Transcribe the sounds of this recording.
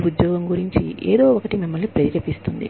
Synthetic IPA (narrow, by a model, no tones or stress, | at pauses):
ud̪jɔːɡɐmɡuɾiɲt͡ʃiʔeːd̪o̞ːɔkɐʈimimːɐlnipɾɐiɾɐpist̪und̪ḭ